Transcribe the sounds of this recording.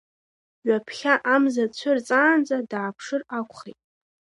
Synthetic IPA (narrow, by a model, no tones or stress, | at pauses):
ɥʷapʰχʲaʔamzat͡ɕʷʰʊrt͡sʼaːnd͡zʼadaːpʰʂɨrakʷʰʼχejtʼ